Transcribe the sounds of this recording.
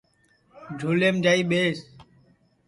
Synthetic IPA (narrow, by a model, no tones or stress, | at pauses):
d͡ʒʱoːleːmd͡ʒaːiːɓeːs